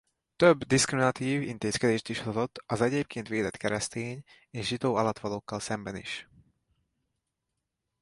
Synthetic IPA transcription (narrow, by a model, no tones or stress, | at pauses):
t̪øbːd̪iskɾiminɒt̪iːvint̪eːskɛd̪eːʃt̪iʃhozo̞t̪ːɒzɛɟeːp̚keːnt̪ʋeːd̪ɛt̪kɛɾɛst̪eːɲ | eːʃʒit̪oːɒlɒt̪ʋɒloːkːɒlsɛmbɛnḭʃ